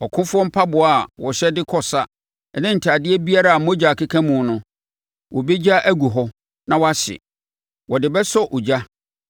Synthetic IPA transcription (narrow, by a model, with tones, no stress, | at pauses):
ɔ˨kʰʊ̃˦fʊ˦ɔ˦m̩˦pʰa˦bʊ˨a˨wɔ˨ɕɛ˦dɪ˦kʰɔ˦sa˦ | ɛ˨nɪ̃˦n̩˨tʰaː˨dɪ˦ɛ˦bi˦a˦ɾa˨a˨mɔ̃˦d͡ʑa˨kʰɪ˦kʰã˦mũ˨˦nʊ̃˦ | wʔɔ˨be˦d͡ʑa˦ʔæ˦ɡu˨ɦɔ˦ | nã˦wɔ˦a˦ɕɪ̰˨ | wɔ˨dɪ˨bɛ˦sɔ˦ʔo˨d͡ʑa˦